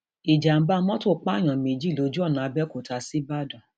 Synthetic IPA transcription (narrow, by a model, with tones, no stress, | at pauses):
i˨d͡ʒa˨m̩˨˦ba˧˦mɔ̃˦to˦˨˦k͡pa˦˨j̃ɔ̃˨mĩ˨d͡ʒi˦˨lo˨˧˦d͡ʒu˦ɔ˦˨nã˨˧bɛ˦ko˨ta˧˦si˦ba˦˨dɔ̃˨